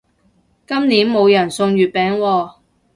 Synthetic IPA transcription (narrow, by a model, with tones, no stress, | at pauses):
kɐ˥mniː˨˥nmo˨˧wjɐ˨˩nsʊ˧ŋjyː˨˩t̚pɛː˨˧ŋwɔː˧